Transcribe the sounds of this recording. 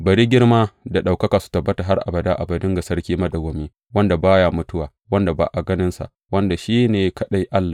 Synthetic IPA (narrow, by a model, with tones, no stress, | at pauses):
bɐ˨ɽiː˦ɡʲɪ˦ɽmaː˦da˨ɗa˨wkɐ˦kaː˨su̥˨tɐ˨bːɐ˦ta˨ɦa˦rʔa̰˨bɐ˨daː˦ʔa˨bɐ˨dʊ˦ŋɡa˨sɐ˦ɾkʲiː˦mɐ˦dɐ˨ɡʷo˨miː˦ | wɐ˦nda˨baː˦ja˨mʊ˦tʊ˦waː˨ | wɐ˦nda˨ba̰ː˨ʔa˨ɡɐ˦nɪ˦nsa̰˨ʔ | wɐ˦nda˨ʃiː˦neː˨kɐ˦ɗa˦jʔa˦lːaː˨